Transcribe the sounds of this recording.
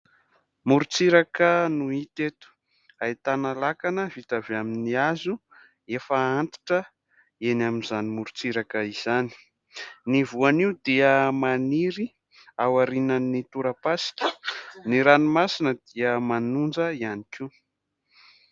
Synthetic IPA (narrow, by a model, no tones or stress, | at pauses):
muɾut͡siɾakənuit̪et̪u̥ | ait̪analakanəvit̪aveaminiazu | efaant̪i̥ʈ͡ʂə | enaminzanimuɾut͡siɾakəizani̥ | nivuaniud̪iəmaniɾi | awaɾinanːit̪uɾapasi̥kʲi̥niɾanimasinəd̪iəmanund͡zəianiki